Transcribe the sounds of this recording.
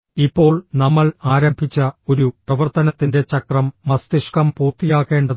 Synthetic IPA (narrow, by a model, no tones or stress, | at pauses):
ipːo̞ːɭnɐmːɐɭaːɾɐmbʱit͡ɕːɐo̞ɾuprɐʋɐrt̪ɐnɐt̪ːinde̞t͡ɕɐkrɐmːɐst̪iʂkɐmpuːrt̪ːijaːkːe̞ːɳɖɐ